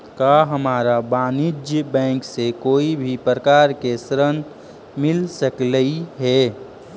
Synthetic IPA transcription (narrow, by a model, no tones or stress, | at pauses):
kaɦəmaːɾabaːnɪd͡ʒjəbɛ̃ːŋksekoːibʱipɾəkaːɾkesəɾən | mɪlsəkləiɦɛ